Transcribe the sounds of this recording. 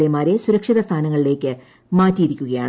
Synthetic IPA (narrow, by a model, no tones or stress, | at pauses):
emaːɾe̞suɾɐkʂiðɐst̪ʰaːnɐŋːɐɭile̞ːkːɨ | maːtːijːɾikʲːuɣɐja̰ːɳ